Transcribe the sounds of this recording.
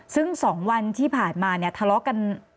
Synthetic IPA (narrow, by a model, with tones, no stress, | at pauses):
sɯ˥˩ŋsɔː˩˦ŋwa˧nt̪ʰiː˥˩pʰaː˨˩nmaː˧ni˥˩ɐt̪ʰa˧lɔ˦˥ka˧n